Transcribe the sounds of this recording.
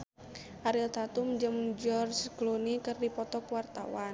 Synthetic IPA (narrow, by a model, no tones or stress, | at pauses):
ʔaɾilt̪at̪umd͡ʒɨmd͡ʒɔrd͡ʒklunikɨrdipɔt̪ɔkwart̪a̰wan